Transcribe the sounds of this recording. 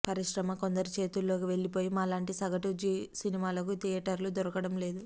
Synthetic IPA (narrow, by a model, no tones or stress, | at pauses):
pɐɾiʂɾɐmɐko̞nd̪ɐɾut͡ʃe̞ːt̪ulːo̞ːkiʋe̞ɭːipo̞ːjimaːlaːɳʈisɐɡɐʈud͡ʒisinimaːlɐk̬ut̪ijɐʈɐɾlud̪ɔɾɐkɐɽɐmle̞ːd̪u